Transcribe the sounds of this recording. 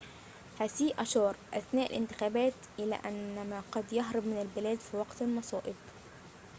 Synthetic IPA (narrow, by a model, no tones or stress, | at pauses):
hæsiːʔɑʃɑːɾˤʔæθnæːʔɪ̰lʔɪ̰nt̪ɪ̥xæːbæːt̪ʔɪlæ̰ːʔænːæmæːqɑd̪jɑɦɾˤɑbmɪnælbɪlæːd̪fiwɑqt̪lmɑsˤɑːʔɪb